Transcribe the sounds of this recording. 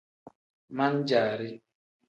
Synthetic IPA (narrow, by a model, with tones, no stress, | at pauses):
ma˦n̩˦d͡ʒaː˨ɾɪ˦